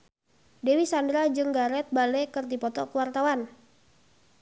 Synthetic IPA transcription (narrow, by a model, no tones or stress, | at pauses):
dewisandɾad͡ʒɨŋɡaɾɛt̪̚balekərdipɔt̪ɔkəwart̪awan